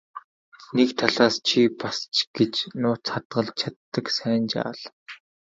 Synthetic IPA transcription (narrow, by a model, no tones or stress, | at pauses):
nekt̪ʰaɮaːst͡ɕʰipast͡ɕɡ̥et͡ɕnʊːt͡sχat̪ɢə̆ɮt͡ɕʰat̪ːə̆ksæːnt͡ɕa̰ːɮ